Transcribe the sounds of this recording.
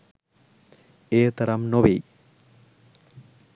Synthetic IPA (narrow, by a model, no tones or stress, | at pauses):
eːt̪ɐɾɐmnoʋej